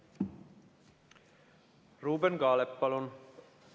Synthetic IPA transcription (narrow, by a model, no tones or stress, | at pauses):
ruːbenɡɑːlepːɑlon